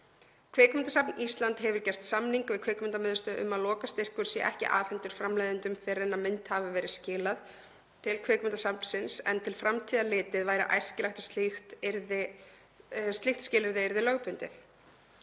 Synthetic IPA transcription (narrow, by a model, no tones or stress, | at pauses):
kʰvɛːkmɪnt̪asapnist̪lant̪hɛvʏɾcɛr̥t̪samniŋkvɪðkʰvɛːkmʏnt̪amɪðʏst̪ʏʔʏ̰mːaðlɔːkast̪ɪr̥kʏɾ̥sjɛʔɛ̰hcɪ̰ʔa̰ːfɛnt̪ʏɾ̥fɾamlajðɪnt̪ʏmkfɛɾɛnːamɪnt̪havɪvɛːɾɪscɪːlað | t̪ʰɪlkʰvɛːkʏmɪnt̪asapn̥sɪnsɛ̰nt̪ʰɪlfɾamt̪ʰiːðalɪːt̪ɪðvaːjɾɪ̰ʔa̰jscɪlaxt̪ḁst̪lɪxt̪ɪɾðɪ | st̪lɪxt̪scɪːlɪɾðɪɪɾðɪlœːɣpʏnt̪ɪ̰θ